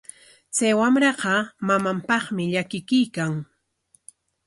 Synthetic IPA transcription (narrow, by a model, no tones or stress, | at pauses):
t͡sajwamɾɑɢɑmamampɑχmɪʎakɪkʊjkaŋ